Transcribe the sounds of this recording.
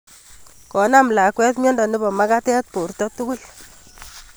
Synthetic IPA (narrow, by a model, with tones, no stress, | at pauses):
kɔ˨na˦mla˨kwɛ˦tmɔ˦ndɔ˨nɪ˦bɔ˨ma˦ka˦tɛ˦t̚po˨rtɔ˦tu˦ku˦l